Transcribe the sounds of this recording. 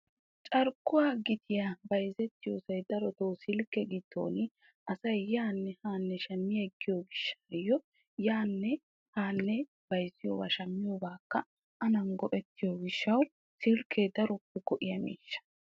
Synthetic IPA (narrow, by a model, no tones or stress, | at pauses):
t͡ʃʼɐɾkːʊwaːɡɪt̪ʰɪjabɐjzɛt̪ːɪjoːsɐjd̪ɐɾɔt̪owsɪlkːɛɡɪt̪ːo̰ːnɪ | ʔɐsɐjjaːnːɛhaːnːɛʃɐmːɪjaɡːɪjoːɡɪʃːajɔ | jaːnːɛ | haːnːɛ | b̥ɐjzɪjo̰ːba̰ːʃɐmːɪjoːbaːkːɐ | ʔɐnɐnɡɔʔɛt̪ːɪjoːɡɪʃːɐw | sɪlkʰeːd̪ɐɾɔpːɛkɔʔɪjɐmḭːʃːɐ̥